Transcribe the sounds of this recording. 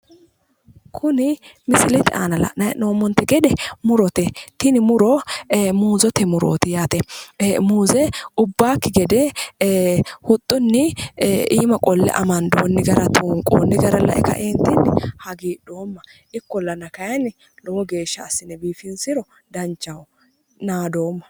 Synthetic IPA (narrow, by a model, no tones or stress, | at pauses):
kʰʊnɪmɪsɪlɛt̪ɪʔa̰ːnɐlɐ̰nɐnoːmːɔnt̪ːɛɡɛd̪ɛmʊɾɔt̪ɛt̪ɪnɪmʊɾɔmuːzɔt̪ɛmʊɾo̰ːt̪ɪjaːt̪ɛmuːzɛʊbːaːkːɪɡɛd̪ɛ | hʊt̪ʼːʊnːɪʔiːmɐkʼɔlːɛ̰ʔɐ̰mɐnd̪oːnːɪɡɐɾɐt̪ʰoːŋkʼo̰ːnːɪɡɐɾɐlɐ̰ʔɛ̰kɐ̰ʔeːnt̪ɪnːɪhɐɡiːɗoːmːɐ | ʔɪkːɔlɐnɐkɐjɐnːɪ | lɔwɔɡe̞ːʃːɐːsːɪnɛbiːfɪnsɪɾɔ | d̪ɐnt͡ʃːɐwʊ | naːd̪oːmːɐ